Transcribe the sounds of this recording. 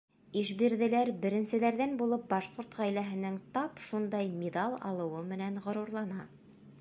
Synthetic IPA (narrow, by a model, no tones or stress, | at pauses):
iʃbiɾðɘ̆læɾbɘ̆ɾɘ̆nsɘ̆læɾðænbulˠɤp̚bɑʃquɾt̪ʁæjlæɦɘ̆nɘŋt̪ɑpʃund̪ɑjmʲid̪ɑlˠɑ̰lˠɤ̆wɤmɘ̆nænʁŏɾuɾlˠɑnɑ